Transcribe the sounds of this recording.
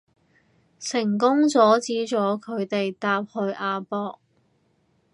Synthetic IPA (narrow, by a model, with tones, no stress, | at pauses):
sɪ˨˩ŋk̬ʊ˥ŋt͡sɔː˨˥t͡siː˨˥t͡sɔː˨˥kʰɵ˨˧ɥt̪e˨jt̪aː˧p̚hɵ˧ɥʔaː˨˧pɔː˧k̚